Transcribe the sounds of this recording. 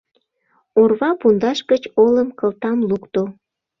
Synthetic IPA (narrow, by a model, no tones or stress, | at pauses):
orβɑpund̪ɑʃɡət͡ɕoləmkəlt̪ɑmlukt̪o